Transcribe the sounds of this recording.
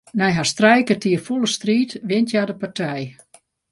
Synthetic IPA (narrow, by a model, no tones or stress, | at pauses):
nɛjɦastrɛjkətʰiəfulˠəstriːtʋɪntjadəpartʰɛj